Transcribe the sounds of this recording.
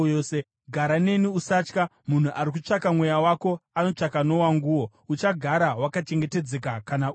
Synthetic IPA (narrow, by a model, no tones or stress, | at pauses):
ose | ɡʱaɾane̞niusat͡ʃkamun̤uʔaɾik̬ut͡ʂakamwe̞jawako̞ano̞t͡ʂakano̞waŋɡuwo̞ | ut͡ʃaɡʱaɾawakat͡ʃe̞ŋɡe̞te̞d͡ze̞kakana